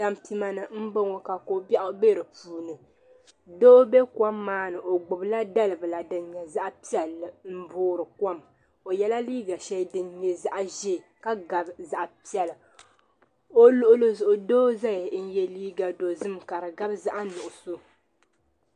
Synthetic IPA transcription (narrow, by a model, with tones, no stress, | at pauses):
da˦mpi˦ma˦nɨ˨m̩˦bo˦ŋo˨ka˨ko˨bɛ˦ʔʊ˦be˦˨ɾɨ˨puː˨˦nɨ˨ | doː˦be˦kwa˦mːaː˦nɨ˨ʔo˨ɡ͡bʊ˨bla˦da˦lɨ˨bɨ˨la˨dɨ˨nɲɛ˨za˦ʔpi˦ɛ˨lːm̩˦boː˦ɾɨ˨kwa˦m | o˨jɛ˦la˦liː˦ɡa˨ʃɛ˦dɨ˨nɲɛ˨za˦ʔʒɛ˦˨ka˦ɡa˨bza˦ʔpi˦ɛ˨lɨ˨ | o˦lo˦ʔʊ˦lo˦zʊ˨ʔʊ˨doː˦za˦jn̩˦jɛ˦liː˦ɡa˨do˨zɨ˦mka˨ɾɨ˨ɡa˦bza˦ʔa˦nʊ˨ʔʊ˨so˦